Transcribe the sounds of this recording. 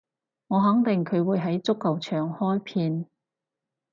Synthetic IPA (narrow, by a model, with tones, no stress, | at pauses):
ŋɔː˨˧ɦɐ˨˥ŋt̪ɪ˨ŋkʰɵ˨˧ɥwuː˨˧jɦɐ˨˥jt͡sʊ˥kːɐ˨wt͡ʃʰœː˨˩ŋhɔː˥jpʰiː˧n